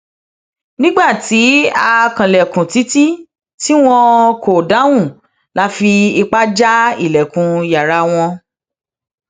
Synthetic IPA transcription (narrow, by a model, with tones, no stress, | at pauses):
nĩ˦ɡ͡ba˦˨ti˨˦a˧kã˨lɛ˨kũ˨ti˦ti˦ | ti˦w̃ɔ̃˧kʰo˨da˨˦w̃ũ˦˨ | la˨˦fi˧i˧k͡pa˦d͡ʒa˦ḭ˦˨lɛ˨kũ˨ja˨ɾa˧w̃ɔ̃˧